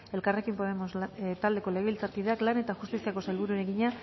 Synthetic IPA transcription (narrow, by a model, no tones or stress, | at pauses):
e̞lkare̞kimpo̞ðemost̪ald̪e̞ko̞leɣeilt͡sat̪iðe̞aklane̞t̪axust̪isiako̞selβuɾueɾeɣiɲa